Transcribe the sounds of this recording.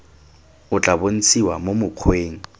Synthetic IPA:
ʊt͡ɬʼabon̩t͡sʰiwa̰momʊq͡χʰweːŋ̩

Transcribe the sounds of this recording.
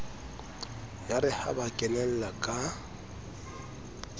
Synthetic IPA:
jaɾɪha̰bakʼɛnɛl̩lakʼa

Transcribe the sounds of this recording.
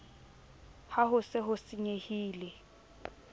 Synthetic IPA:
haɦʊsɪɦʊsiɲehiːlɛ

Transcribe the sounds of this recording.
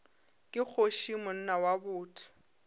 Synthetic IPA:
kʼɪk͡xʰoʃimʊn̩nawabʊːtʰi̥

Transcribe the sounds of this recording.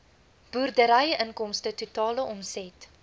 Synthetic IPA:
b̥uːrdəɾɐjəʔənkɔmstətutɑːləʔɔmsɛt

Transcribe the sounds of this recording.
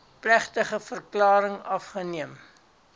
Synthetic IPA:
plæχtəχəfərklɑːɾəŋɐfχəniəm

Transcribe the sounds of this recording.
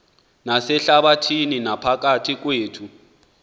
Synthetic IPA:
nasɛɬaɓatʰininapʰak̬atʰik̬weːtʰu

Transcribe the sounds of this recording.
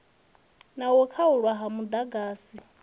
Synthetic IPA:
nawɔkʰauɺwaɦamud̪aɡaːsi

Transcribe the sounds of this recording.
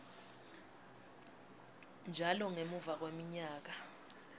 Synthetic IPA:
nd͡ʒʱalɔŋemuvak̬wemiɲaːk̬a

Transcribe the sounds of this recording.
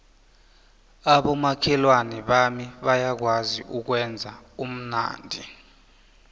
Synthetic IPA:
aɓɔmakʰɛlwanɛɓamiɓajak̬waziʔuk̬wɛnd͡zʱaum̩na̰ːndʱi

